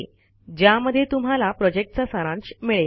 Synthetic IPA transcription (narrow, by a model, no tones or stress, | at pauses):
d͡ʑjaməd̪ʱːjet̪um̤alapɾɔd͡ʑek̚ʈt͡sasəɾãnt͡ɕmiɭe